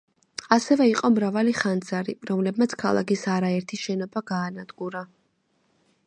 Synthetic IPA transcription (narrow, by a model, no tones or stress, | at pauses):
asɛvɛiqʼɔmɾavaliχand̪zaɾiɾɔmlɛb̚mat̪sʰkʰalˠa̰kisaɾaɛɾt̪ʰiʃɛnɔbaɡaːnad̪ɡuɾa